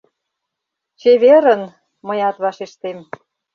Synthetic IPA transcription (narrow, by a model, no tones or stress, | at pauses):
t͡ɕeβeɾə̆n | məjɑt̪βɑʃeʃt̪em